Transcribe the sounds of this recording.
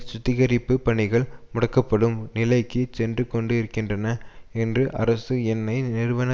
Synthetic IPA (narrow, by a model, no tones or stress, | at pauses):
sʊt̪ːɪɣɐɾɪpːɯpɐɳɪɣɐɭmʊɽɐkːɐpːɐɽɯmnɪlɐɪkːɯt͡ʃɛndrɯkːɔɳɖɯɪɾɯkːɪndrɐnɐɛndrɯʔɐ̰ɾɐsɯɛnːɐɪnɪɾɯʋɐnɐ